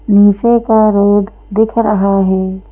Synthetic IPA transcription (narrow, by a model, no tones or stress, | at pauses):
miːsekaɾoːd̪ | d̪ɪkʰɾəɦaɦɛː